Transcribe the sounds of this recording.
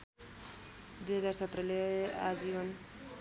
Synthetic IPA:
d̪ujɦʌd͡zarsʌt̪ɾʌlead͡zibʌn

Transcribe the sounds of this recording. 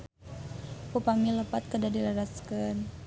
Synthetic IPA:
pupamiləpat̪̚kədadilaɾaskan

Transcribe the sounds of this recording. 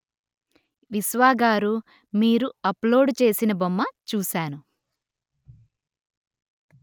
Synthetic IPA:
ʋisʋaːɡaːɾu | miːɾuɐplo̞ːɖt͡ʃe̞ːsinɐbomːɐt͡ʃuːsaːnu

